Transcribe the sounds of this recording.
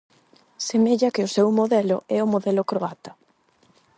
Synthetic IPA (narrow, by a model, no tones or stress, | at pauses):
semeʎɐkɪʊsewmoðɛlʊ̰ɛʊmoðɛlʊkɾoat̪ɐ